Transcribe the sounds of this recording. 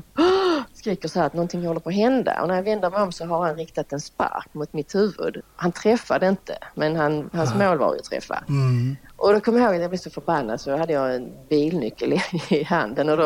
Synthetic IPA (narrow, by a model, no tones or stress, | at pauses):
skɾiːkəʂsɔhæːɾat̪̚nɔnt̪ʰɪŋhɔlːəɾpʰɔːɦɛnd̪a̰ʔɔ̰næɾjɑvɛnd̪əɾmɛɪjɔmsɔɦaɾhanɾɪkt̪at̪ɛnspa̰ɾkmʊt̪mɪt̪hʉ̟ːvɵ̰d̪hant̪ʰɾɛfːad̪əɪnt̪ʰə̰mɛnɦanhansmoːlva̰ɾjə̰t̪ʰɾɛ̰fːa̰ | ʔɔd̪ɔkʰɔməjɾhoːɡat̪jɑblɛvsɔfœɾbanːad̪sɔhad̪ːəjɑɛnbiːlnʏkːəlɪɪɦa̰nd̪ənɔd̪ɔ